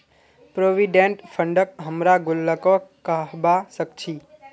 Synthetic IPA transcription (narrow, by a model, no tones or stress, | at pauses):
pɾoʋiɖẽɳʈpʰəɳɖək̚ɦəmɾaɡʊlːəkokəɦbasəkt͡ʃʰiː